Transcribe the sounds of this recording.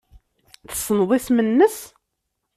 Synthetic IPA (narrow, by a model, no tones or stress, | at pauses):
θə̥sˤənðˤɪθmənːəs